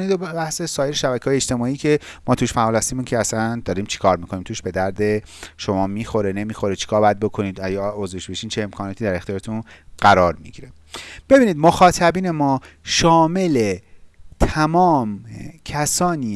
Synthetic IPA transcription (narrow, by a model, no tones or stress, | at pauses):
niːd̪obæhse̞sɒːjeɾeʃæbæcʰehːjet͡ʃt̪emɒːiːcʰe̞mʔɒːt̪ʰuːʃfæʔɒːlhæst̪iːmuːncʰeæsænd̪ɒːɾiːmt͡ʃʰi̥kʰɒːɾmiːkʰoniːmt̪ʰuːʃb̥e̞d̪æɾd̪e̞ | ʃo̞mɒːmiːxo̞ɾene̞miːxo̞ɾet͡ʃʰi̥kʰɒːɾbæd̪̚bo̞kʰo̞niːd̪æjɒozveʃbeʃiːnt͡ʃʰeemkʰɒːnɒːt̪ʰiːd̪æɾe̞xt̪ijɒːɾet̪ʰunɢæɾɒːɾmiɟiɾe | b̥e̞biːniːd̪mo̞xɒːt̪ʰæbiːne̞mɒːʃɒːme̞let̪ʰæmɒːmcʰæsɒːniː